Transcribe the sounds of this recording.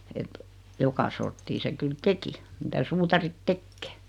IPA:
et jokɑ sortːiː se kyl teki mitæ suːtɑrit tekːeː

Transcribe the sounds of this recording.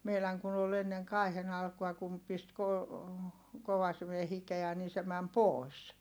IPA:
meilæŋ kun ol enːeŋ kɑˑi̯hen ɑlkuɑ kum pist ko koʋɑsime hikeæ niː se mæm poˑi̯s

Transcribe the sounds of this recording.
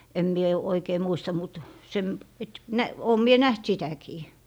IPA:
em mie oikeː muistɑ mut sem et næ oːm mie næht sitækiː

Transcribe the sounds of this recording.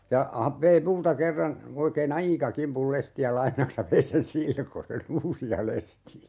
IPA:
jɑ hɑ ʋei multɑ kerːɑn oikeːn ɑikɑ kimpul lestiæ lɑinɑks jɑ ʋei sen silkosen uːsiɑ lestiæ

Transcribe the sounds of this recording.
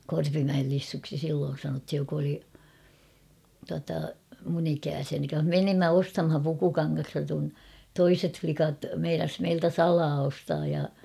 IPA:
korpimæel lisːuksi silːoːn̞ sɑnothij jok oli tuɑtɑ mun ikæːsiæni menimːæ ostɑmhɑn pukukɑŋːɑstɑ kun toiset flikɑt meinɑs meiltæ sɑlɑː ostɑːj jɑ

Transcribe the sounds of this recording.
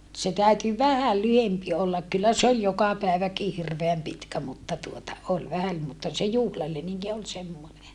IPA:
se tæyty ʋæhæl lyhempi olːɑk kylːæ se ol jokɑ pæˑeʋæki hirʋeæm pitkæ mutːɑ tuotɑ ol ʋæhæm mutːɑ se juhlɑleniŋki ol semːone

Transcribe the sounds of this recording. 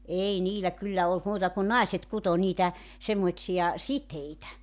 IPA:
ei niːlæ kylːæ olt muːtɑ kun nɑiset kuto niːtæ semːoĭsijɑ siteitæ

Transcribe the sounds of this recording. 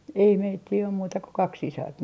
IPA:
ei meitːiː om muːtɑ ko kɑk sisɑrt

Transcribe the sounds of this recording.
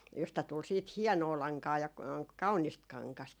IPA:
jostɑ tul siːt hiɛnoː lɑŋkɑː jɑ kɑunist kɑŋkɑst

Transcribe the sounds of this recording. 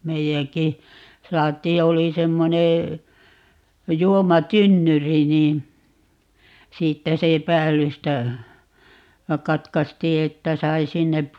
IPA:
meijæŋki sɑːtˑiːj jɑ oli semːoneː juomɑtynːyri niːn siːtːæ se pæːlːystæ kɑtkɑstiː etːæ sɑi sinːe

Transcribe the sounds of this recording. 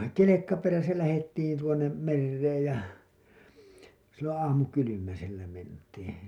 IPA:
kelekːɑ peræsæ læhetːiːn tuonˑem merːeːj jɑ silːõː ɑːmukylymæselːæ mentiːn̥

